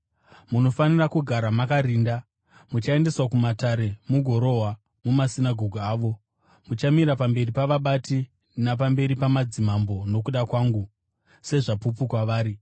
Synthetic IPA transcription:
muno̞fanirakuɡʱaɾamakaɾiːnda | mut͡ʃae̞nde̞swakumataɾe̞muɡʱo̞ɾo̞ɦwa | mumasinaɡʱo̞ɡʱuaːʋo̞ | mut͡ʃamiɾapambe̞ripaʋaɓati | nap̬ambe̞ɾipamad͡zimambo̞no̞k̬uɗakwaːŋɡu | se̞ʐapupukwaʋaːɾi

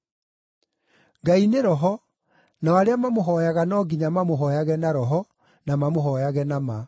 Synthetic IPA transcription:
ŋɡaineɾɔɦɔ | nawaɾeamamoɦɔjaɣanɔːɡiɲamamoɦɔjaɣɛnaɾɔɦɔ | namamoɦɔjaɣɛnama

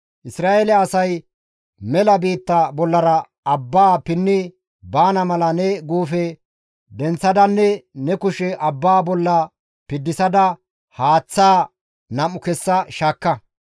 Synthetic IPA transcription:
ʔɪsɾaːʔelɛɐsɐj | mɛlɐbiːt̪ːɐbɔlːɐɾɐ | ɐbːaːpɪnːɪ | baːnɐmɐlɐnɛɡuːfɛ | d̪ɛnt͡sːɐd̪ɐnːɛnɛkʊʃɛʔɐbːaːbɔlːɐ | pɪd̪ːɪsɐd̪ɐ | haːt͡sːaː | nɐmːʊkɛsːɐʃaːkːɐ

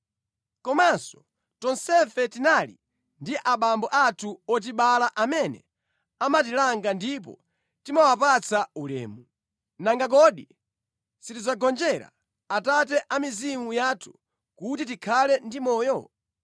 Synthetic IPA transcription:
kɔmansɔ̥ | tɔnsɛfɛtinali | ndiʔaɓambɔʔatʰuɔt̬iɓalaʔamɛnɛ̰ | amatilaŋɡandip̬ɔ̰ | timawapat͡sʰaulɛ̰ːmu | naŋɡak̬ɔɗi | sitid͡zaɡɔnd͡ʒɛɾa̰ | atat̬ɛʔamizimujaːtʰu̥ | kut̬it̬ikʰalɛndimɔːjɔ

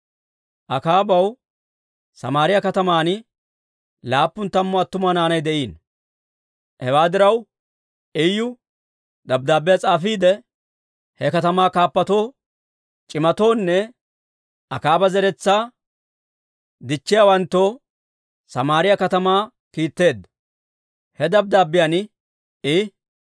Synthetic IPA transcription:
ʔɐkaːbɐw | sɐmaːɾɪjɐkɐt̪ɐmaːnɪ | laːpːʊnt̪ːɐmːɔɐt̪ːʊmaːnaːnɐjd̪ɛʔiːn | hɛwaːd̪ɪɾɐw | ɛjːʊ | d̪ɐb̚d̪aːbːɛjɐt͡sʼaːfiːd̪ɛ | hɛkɐt̪ɐmaːkaːpːɐt̪o̞ː | t͡ʃʼɪmɐt̪o̞ːnːɛ | ɐkaːbɐzɛɾɛt͡sːaː | d̪ɪt͡ʃːɪjawɐnt̪ːoː | sɐmaːɾɪjɐkɐt̪ɐmaː | kiːt̪ːe̞ːd̪ːɐ | hɛd̪ɐb̚d̪aːbːɪjan | ɪ

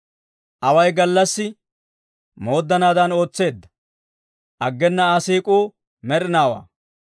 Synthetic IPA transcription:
ʔɐwɐjɡɐlːɐsːɪ | mo̞ːd̪ːɐnaːd̪ɐno̞ːt͡sːe̞ːd̪ːɐ̥ | ʔɐɡːɛnːɐasiːkʼuː | mɛɾɪnaːwa̰ː

